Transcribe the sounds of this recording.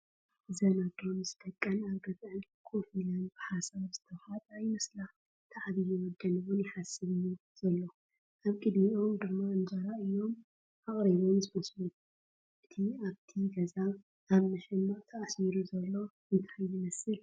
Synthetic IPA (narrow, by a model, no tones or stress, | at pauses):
ɨzɐnat̪ʰo̞mzɨd̪ɐkʼːɐnaβɡɐzɨn | kʰofilanb̥ɨħasaβz̥ɨt̪ʰɐwhat̪ajmɨslax | t̪ʰaʕβijuwɔd̪ɐnɨβunjɪħasɨβɨjuz̥ɐlːo | ʔaβkʼɨd̪miʔo̞md̪ɨmːaɨnd͡ʒɐɾaɨjːo̞m | ʔaχʼɾiβomzɨmɐslu | ʔɨt̪ʰiaβt̪ʰiɡɐza | aβmɨħɨmːat̪ʰɐʔasiɾuzɐlːo̞ | ɨnt̪ʰajːɨmɐsɨl